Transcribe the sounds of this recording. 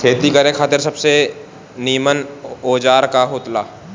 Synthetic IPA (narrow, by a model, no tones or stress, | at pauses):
kʰeːt̪ikɐɾẽkʰaːt̪ɪɾsɐbse | niːmənoːd͡ʒaːɾkaɦoːt̪laː